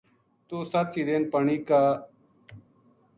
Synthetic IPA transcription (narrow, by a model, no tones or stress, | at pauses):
t̪oːsat̪siːd̪eːnpəɳiːkaː